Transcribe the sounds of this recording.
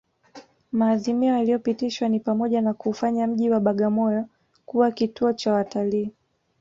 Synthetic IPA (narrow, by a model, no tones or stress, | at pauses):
maːðimiɔjalijɔpitiʃwanipamɔʄanakuːfaɲam̩ʄiwaɓaɠamɔjɔ | kuwakituɔt͡ʃawataliː